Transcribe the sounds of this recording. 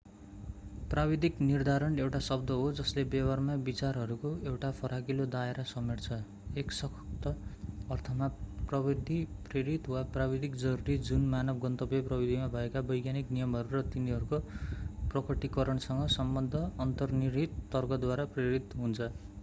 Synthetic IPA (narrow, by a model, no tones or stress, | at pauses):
prabid̪ʱiknird̪ʱaɾʌnewʈasʌbd̪ʱʌɦod͡zʌslebʌwarmabit͡sarɦʌɾukoewʈapʰʌɾaɡilod̪aeɾasʌmert͡sʰʌ | eksʌkt̪ʌʌrt̪ʰʌmaprʌbid̪ʱipreɾit̪waprabid̪ikd͡zʌɾuɾid͡zunmanʌbɡʌnt̪ʌbjʌprʌbid̪ʱimabʱʌekabʌjɡjaniknijʌmɦʌɾuɾʌt̪iniɦʌɾukoprʌkʌʈikʌɾʌɳsʌŋɡʌsʌmbʌnd̪ʱʌːnt̪ʌrniɾit̪ːʌrɡʌd̪waɾapreɾit̪ɦunt͡sʰʌ